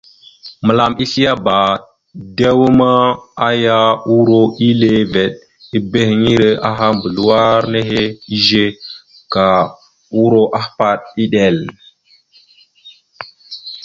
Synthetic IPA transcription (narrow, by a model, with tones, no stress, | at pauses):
mə˨la˨mi˦si˦a˦ba˨ | de˦wu˦ma˦a˦ja˦wu˦ɾo˦i˦le˦ve˨ɗ | i˦be˦hi˨ŋi˦ɾe˦ʔa˦ɦa˦mbə˨lu˦wa˦ɾne˦ɦe˦i˦ʒe˦ | ka˨ | wu˦ɾo˦ʔa˦hpa˦ɗ̚i˦ɗe˨l